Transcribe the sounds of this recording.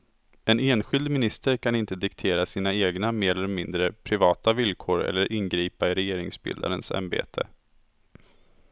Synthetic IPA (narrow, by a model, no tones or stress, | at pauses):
ɛneːnɧɪld̪mɪnɪst̪əɾkʰanɪnt̪əd̪ɪkt̪ʰeːɾasiːnaeːɡnameːɾɛlːmɪnd̪ɾəpʰɾɪvɑːt̪avɪlkʰoːɾɛ̰lːəɾʔɪnɡɾiːpaɪɾɛjeːɾɪŋsbɪ̰ld̪a̰ɾənsa̰mbḛːt̪ʰə̰